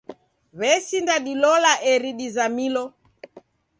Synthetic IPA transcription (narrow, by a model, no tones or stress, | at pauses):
βɛsindaɗilɔlaʔɛɾiɗizamilɔ